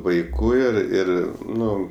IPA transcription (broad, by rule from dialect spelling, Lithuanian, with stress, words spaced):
ʋɐɪˈkuː ɪr ˈɪr ˈnʊ